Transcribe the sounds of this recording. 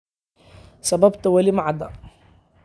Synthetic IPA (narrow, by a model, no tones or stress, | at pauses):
sˤɑbabt̪awæliːmaʕad̪a